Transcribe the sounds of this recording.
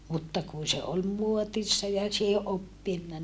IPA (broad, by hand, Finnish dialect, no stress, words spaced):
mutːɑ kun̞ se ol muotisːɑ jɑ siːhe ʔopːinːɑ